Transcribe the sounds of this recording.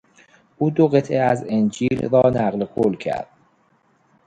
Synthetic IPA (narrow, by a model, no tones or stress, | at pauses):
ʔuːd̪oɣe̞t̪ʰʔeæzend͡ʒiːlɾɒːnæɣlekʰolcʰæ̰ɾd̪̥